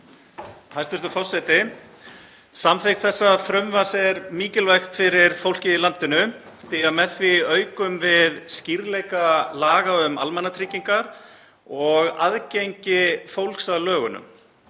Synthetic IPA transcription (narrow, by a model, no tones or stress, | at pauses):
ajst̪ʏst̪ʏfɔr̥sɛt̪ɪ | samθejknθɛsːafɾœmvasɛɾmiːcɪlvɛjxt̪fɪɾɪɾ̥fowl̥cɪilant̪ɪnʏ | θiaðmɛθvɪœːɥkʏmvɪðsciɾlejkalaːɣaʏma̰lmɛnat̪ʰɾicːiŋkaɾ | ɔɣa̰ðcejɲcɪfowlksaðlœːɣʏnʏ̰m